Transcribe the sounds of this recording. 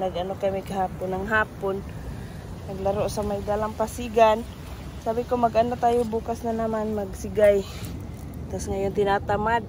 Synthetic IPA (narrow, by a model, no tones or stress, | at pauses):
naɡanokajmikaɦaːpʊnaŋɦaːpʊn | naɡlaɾoʔsamajd̪aːlaŋpasiɡan | saːbikomaɡʔandat̪aːjobuːkasnanamanmaɡsiɡaj | t̪asŋajʊnt̪ɪnat̪amad̚